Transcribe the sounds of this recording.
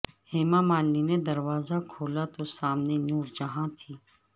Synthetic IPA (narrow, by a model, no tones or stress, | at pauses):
heːmãmaːlnined̪ɐɾwaːzakʰoːlat̪osaːmnenuːɾd͡ʒɐɦãt̪ʰiː